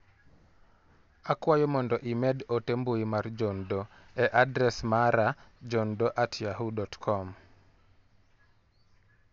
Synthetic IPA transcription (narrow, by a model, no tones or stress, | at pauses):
akwajɔmɔndɔʔimɛɗotemboimard͡ʒɔndɔ | ɛʔadɾɛsmaɾad͡ʒɔndɔʔatʰjaɦudɔtkʰɔm